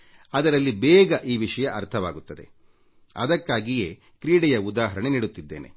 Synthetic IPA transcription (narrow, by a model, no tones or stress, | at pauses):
ɐd̪ɐɾɐlːibɛːɡɐʔiːʋiʂɐjɐʔɐɾt̪ʰɐʋaːɡut̪ːɐd̪e̞̰ | ɐ̰d̪ɐkːaːɡije̞ː | kɾiːɽɛjɐud̪aːɦɐɾɐɳeniːɽut̪ːid̪ːeːne